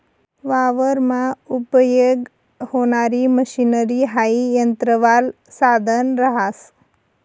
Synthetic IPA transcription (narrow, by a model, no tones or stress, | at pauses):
ʋaʋəɾmãupəjəɡ | honaɾiməʃinəɾiɦaijənt̪ɾəʋal | sad̪ʱənɾəɦas